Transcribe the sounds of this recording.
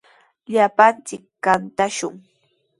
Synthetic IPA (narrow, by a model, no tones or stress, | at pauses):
ʎapant͡sɪkːant̪aʃʊŋ